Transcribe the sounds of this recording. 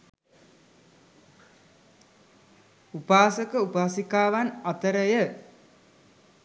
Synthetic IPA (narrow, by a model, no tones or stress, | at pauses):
upaːsəkəupaːsikaːʋanat̪əɾəjə